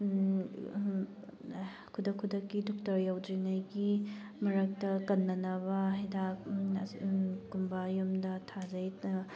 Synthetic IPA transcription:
kʰudɐkʰudɐkːidɔk̚tɐɾjawd͡ʒinajɡi | mɐɾɐk̚tɐkɐnːɐnɐβɐɦɐjda | kumbajumdɐtʰazɐj

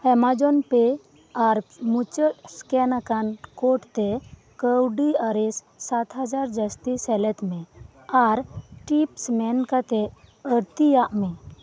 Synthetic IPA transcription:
hɛmad͡ʒɔnpɛ | aɾmut͡ʃət̪skɛnakankɔʈt̪ɛ | kəwɖiaɾɛsːat̪ɦad͡ʒaɾd͡ʒəst̪isɛlɛt̪mɛ | aɾʈipsmɛnkat̪ɛəɾt̪ijaʔmɛ

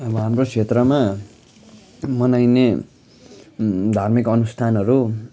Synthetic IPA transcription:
ʌbʌɦamrokʰet̪rʌma | mʌnajne | d̪ʱarmikʌnust̪ʰanʌɾu

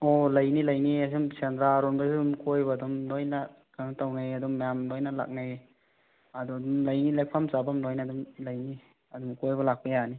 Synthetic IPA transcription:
olɐjnilɐjniasimsendɾaɾɔnbasumkojbɐːdumlojna | kanatawnajɐdumːjamlojnɐla̰k̚naj | ɐdudumlɐjnilek̚pʰamsabamlojndumlajni | ɐdumkojbɐlak̚pɐjani

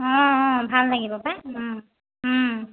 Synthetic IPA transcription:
ɔ̃bʱalːaɡibɔpaɦ

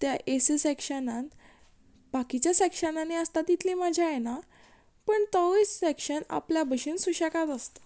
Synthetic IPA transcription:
t̪jaʔesisekʂənãn | bakit͡ɕjasekɕənaneəst̪at̪ːit̪ʰliːmad͡ʑʱjajena | pəɳt̪əʋit͡ssekɕəna̰pljabʱəɕiːnsuɕəkat̪əst̪ə̥

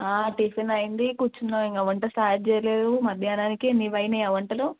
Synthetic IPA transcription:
aːʈiːfɐnɐjind̪ikuːɾt͡ʃunːaiŋɡɐʋɐɳʈɐsaːd͡ʒɛːjɐleːd̪umɐd̪ʱjaːnaːnikienːiʋɐjnejɐʋɐɳʈɐlo

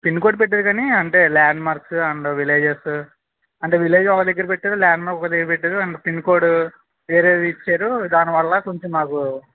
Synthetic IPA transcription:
pinːkoːɖ̚peʈːeːɾukaːniɐɳʈe̞ːlaːɳɖmaːɾksuɐɳɖoʋileːd͡ʒes | ɐɳʈe̞ːʋileːd͡ʒɔkɐd̪ɐɡːɐɾɐpeʈːeːɾulaːɳɖmaːɾkɔkɐd̪ɐɡɐɾpeʈːeːɾuɐɳepinːkoːɖu | ʋeːɾeːit͡ʃːeːɾud̪aːniʋɐɭːɐkoɲt͡ʃimaːku

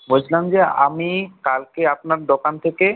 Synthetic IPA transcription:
bod͡ʑʰlamd͡ʑea̰mikalkeapnaɾd̪okant̪ʰeke

